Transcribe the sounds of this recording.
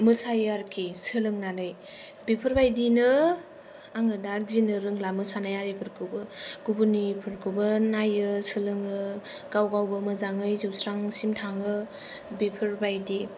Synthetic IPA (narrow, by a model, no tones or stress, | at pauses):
mɯsajaɾkʰisɯlɯŋnanɯj | bipʰɯɾbajdinɯ | aŋɯdazinɯɾɯŋlamɯsanajaɾipʰɯɾkʰɯbɯɡ̥ubunipʰɯɾkʰɯbɯnajɯsɯlɯŋɯ | ɡ̥awɡawbɯmɯzaŋɯjzɯwsɾaŋsimtʰaŋɯ | bipʰɯɾbajdi